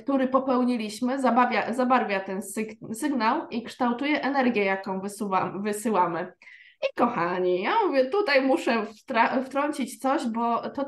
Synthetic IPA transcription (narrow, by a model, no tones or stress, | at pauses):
kt̪uɾɘpɔpɛwɲilʲiɕmɘzabavʲjazabaɾvʲjat̪ɛnssɘɡnawikʂt̪awt̪ujɛʔɛnɛɾɡʲjɛjakɔ̃w̃vɘsavɘsɘwamɘ | ikɔxaɲijamuvʲjɛt̪ut̪ajmuʂɛft̪ɾaft̪ɾɔɲt͡ɕit͡ɕt̪sɔʑbɔt̪ɔ